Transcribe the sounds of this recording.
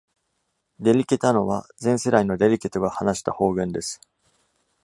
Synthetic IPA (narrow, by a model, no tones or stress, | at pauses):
d̪e̞ɾʲikʲe̞t̪ano̞βa̰zẽ̞ɰ̃se̞ɾaino̞d̪e̞ɾʲikʲe̞t̪o̞ɡahanaɕi̥t̪aho̞ːɡɯ̟̃nd̪e̞sɨ̥